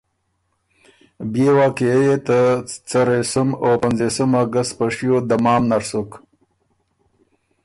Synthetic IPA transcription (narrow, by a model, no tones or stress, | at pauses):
bewɑːkiejet̪ət͡saɾesəmopanzesəmaɡast̪̚paʂijod̪amɑːmnaɾsuk